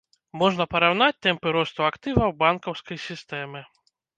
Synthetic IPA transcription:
mɔʐnɐpɐɾawn̪at͡sʲt̪ɛmpɨɾɔst̪uakt̪ɨvɐwbankɐwskɐjsʲist̪ɛmɨ

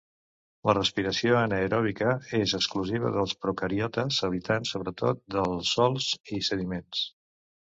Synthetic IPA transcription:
lərəspiɾəsioənəeɾɔβikəezəkskluziβ̞ə̰ðəlˠspɾukəɾiɔt̪əzəβit̪ansːoβɾət̪ot̪̚d̪əlˠsːɔlˠzisəðimens

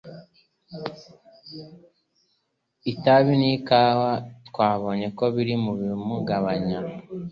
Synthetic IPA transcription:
itaβinikaːwatkwaːβo̞ːɲe̞ko̞βiɾimuβimuɡaβaɲa

